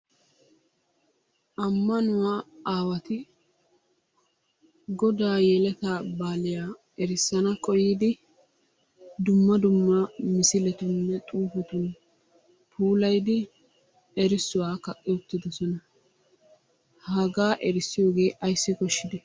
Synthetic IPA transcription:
ʔɐmːɐnʊwaːaːwɐt̪ɪ | ɡɔd̪aːjeːlɛt̪abaːlɪjaː | ɛɾɪsːɐnɐkʼɔjiːd̪ɪ | d̪ʊmːɐd̪ʊmːɐmɪsɪlɛt̪ʊnːɛt̪ʼuːfɛt̪ʊn | pʰuːlɐjd̪ɪ | ɛɾɪsːʊwaːkɐkʼːɪʊt̪ːɪd̪ɔsɔnɐ | hɐɡaːʔɛɾɪsːɪjo̞ːɡe̞ːʔɐjsːɪkɔʃːɪd̪ɛ

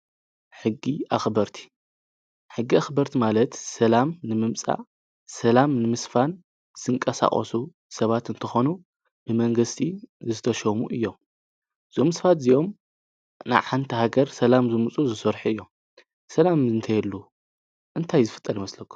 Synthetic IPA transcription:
ħɨɡːiʔaxbɐɾt̪ʰi̥ | ħɨɡːiaxbɐɾt̪ʰimalɐt̪sɐlamnɨmɨmt͡sʼa̰ | sɐlamnɨmɨsfan | z̥ɨŋkʼɐsa̰χʼɐ̰su | sɐβat̪ɨnt̪ʰɐxo̞nu | b̥ɨmɐŋɡɨst̪ʰizɨt̪ʰɐʃɐmuʔɨjːo̞m | z̥omɨsfat̪zijo̞m | na̰βħant̪ʰɐɦaɡɐɾsɐlamzɨmut͡sʼuzɨsɐɾħuɨjːo̞m | sɐlamɨnt̪ʰɐjɛlːu | ʔɨnt̪ʰajzɨfɨ̥t̪ʼːɐlimɐslɐkʰːu̥

